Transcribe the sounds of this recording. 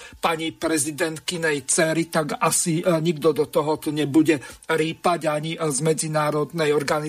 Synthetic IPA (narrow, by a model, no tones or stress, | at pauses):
paɲipɾɛzid̪ɛnt̪kinɛjt͡sɛɾit̪aɡasiɲiɡd̪ɔd̪ɔt̪ɔɦɔt̪ɔɲɛbuɟɛɾiːpaɟaɲizmɛd͡zinaːɾɔd̪nɛjɔɾɡani